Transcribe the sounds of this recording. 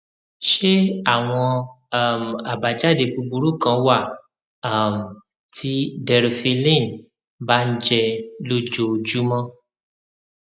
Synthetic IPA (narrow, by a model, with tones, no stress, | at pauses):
ʃe˦a˦˨w̃ɔ̃˧ | a˨m̩˨a˨ba˨d͡ʒa˦˨de˨˧˨pu˧bu˧ɾu˦kã˧˦wa˦˨ | a˨m̩˨ | ti˦dɛ˧ɾe˧fe˧lĩ˦˨n˨ | ba˦n̩˦d͡ʒɛ˧lo˦d͡ʒo˧˨d͡ʒu˨˦mã˦